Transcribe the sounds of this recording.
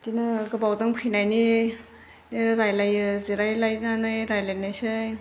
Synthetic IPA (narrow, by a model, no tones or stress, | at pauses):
dinɯɡɯbawzaŋpʰɯjnajni | neɾajlajɯziɾajlajnanɯjɾajlajnajsɯj